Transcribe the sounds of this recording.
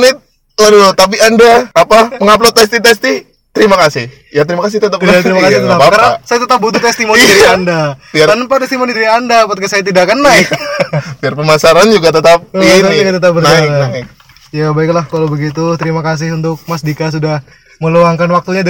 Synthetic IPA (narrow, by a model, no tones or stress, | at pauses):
nɪt̪̚ | waɾiot̪ap̬iandaapaməŋap̬lot̪ɛst̪it̪ɛst̪ɪh | t̪əɾimakasɪh | jat̪əɾimakas̬ɪht̪ət̪aat̪əɾimakasɪhtəapakaɾaasajat̪ət̪ap̚but̪ut̪ɛst̪imonaɾandaiaanpat̪ɛst̪imonit̪dɾiandapat̪kasajat̪idakanːaɪkpiarpəmasaɾand͡ʒuɡat̪ət̪ap̚it̪auɡat̪ət̪ap̚bənaakanaɪk | jabaiklahkalowbəɡit̪ut̪əɾimakas̬ɪɦunt̪ʊk̚masdikas̬udah | məloaŋkanwak̚t̪uɲad